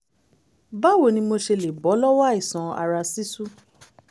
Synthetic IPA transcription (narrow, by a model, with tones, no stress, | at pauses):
ba˦wo˨nĩ˧mo˧ʃe˧le˨bɔ˨˦lɔ˦wa˦i˦˨sã˨a̰˨ɾa˧si˦su˦